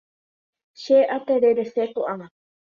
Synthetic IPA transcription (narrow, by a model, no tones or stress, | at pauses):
ʃeʔat̪eɾeɾesekuʔaã